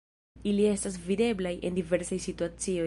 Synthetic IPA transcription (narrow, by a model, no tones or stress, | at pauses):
ilie̞stas̬vide̞blajʔe̞̰ndive̞ɾsajsituat͡sio̞